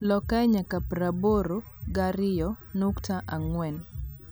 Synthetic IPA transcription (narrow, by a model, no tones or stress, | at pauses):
lɔkaɲakapɾaboɾo | ɡaɾɪjɔ | nuktaʔaŋwɛn